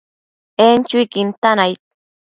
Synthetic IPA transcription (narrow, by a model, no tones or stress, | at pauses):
ent͡ʃʊjkɪnt̪anajt̪̚